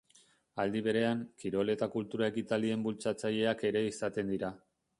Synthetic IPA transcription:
ald̪iβe̞ɾe̞aŋkiɾo̞le̞t̪akult̪uɾae̞kit̪alie̞mbult͡sat͡saʎe̞ake̞ɾe̞isat̪e̞nd̪iɾa

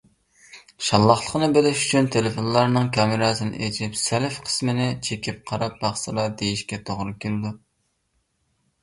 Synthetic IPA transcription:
ʃɑlˠːɑχlˠəqnɨbelɪʃyt͡ʃʰynt̪ʰelɪfonlˠɑɾnɨŋkʰɑmɪɾɑːsɨnɪ̰ʔed͡ʒɪpsælfqʰə̥smɪnɪt͡ʃʰekʲʰip̚qʰɑɾɑp̚bɑχsɨlˠɑd̪ejiʃkʲɛt̪ʰoʁɾɨkʲelɪd̪u

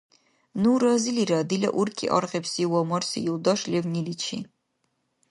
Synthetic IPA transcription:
nuɾaziliɾad̪ilɐ̰ʔuɾkʼḭʔɔ̰ɾʁɛpsiwɔmɔrsḭjuld̪ɔʃlɛvnilit͡ʃʰḭ

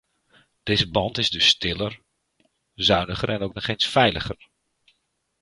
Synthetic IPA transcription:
d̥ɪzəbɑntɪzdɵsːtɪlər | zœɥnəχərɛnowk̚nɔχejnsfɛjləχər

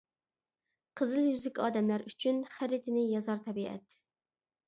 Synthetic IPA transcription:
qʰəzɨlˠjyzɪkʲɑːd̪ɛmlæɾyt͡ʃʰynχæɾɪt̪ʰɪnɪjɑzɑɾt̪ʰɛbiʔɛ̰t̪

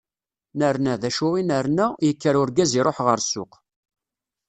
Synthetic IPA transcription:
nəɾnæðæʃʊinəɾnæjəkːəɾʊɾɡæziɾˤoħʁəɾsʊ̰q

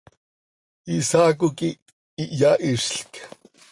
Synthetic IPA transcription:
isaːk̬uki | iʔjaʔiʃɬk

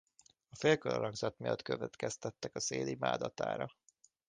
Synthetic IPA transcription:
ɒfeːlkølɒɾɒɡzɒt̪mijɒt̪køvɛt̪kɛst̪ɛt̪ːɛkɒseːlimaːd̪ɒt̪a̰ːɾɒ

